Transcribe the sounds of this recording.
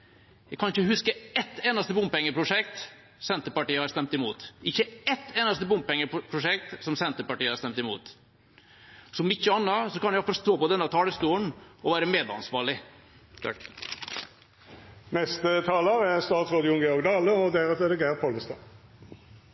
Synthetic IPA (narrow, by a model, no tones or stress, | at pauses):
jɛɡkʰːɑnɪçəhʉskəɛt̪ːeːnɑst̪əbʊmpɛŋːəpʰɾʊʂɛk̚t̪ | sɛnt̪əpɑʈiːəhɑɾst̪ɛmt̪ɪmuːt̪ɪçːəɛt̪ʰːeːnɑst̪əbʊmpɛŋːəpʰɾʊʂɛkt̪sɔmsɛnt̪əpɑʈiːəhɑɾst̪ɛmt̪ɪmṵːt̪ | sɔmɪçːəɑnːɑsɔkɑnjɛfɾst̪oːpɔd̪ɛnːɑt̪ʰɑːləst̪uːəɳɔʋæːɾəmeːd̪ɑ̰nsʋɑːɭɪ̰ | nɛst̪ət̪ʰɑːləɾɛɾst̪ɑːt̪sʁɑːd̪ɪʊnɡɛɔɡd̪ɑːləɔd̪æʁɛt̪ɛd̪ɛɡæːʁpʰɔləst̪ɑ̰